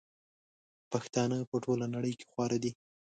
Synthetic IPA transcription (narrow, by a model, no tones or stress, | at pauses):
paxt̪ɑnəpəʈolanaɽəjke̥xwɑɾad̪i